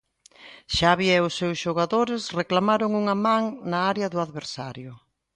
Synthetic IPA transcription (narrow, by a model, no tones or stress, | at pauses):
ʃaβjɛʊsːewsʃoɣaðoɾɪsreklamaɾʊŋuŋɐmãŋnaaɾeɐðʊaðβeɾsaɾjʊ